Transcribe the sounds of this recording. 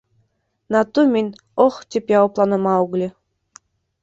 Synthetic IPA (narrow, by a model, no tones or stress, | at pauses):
nɑt̪ːumʲinʲ | oχt̪ʲepʲjɑoplˠɑnɤ̆mɑuɣlʲi